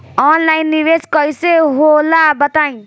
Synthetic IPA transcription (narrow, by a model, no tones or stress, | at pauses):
ɔnlajnːiʋeskʌjseɦolabət̪aj̃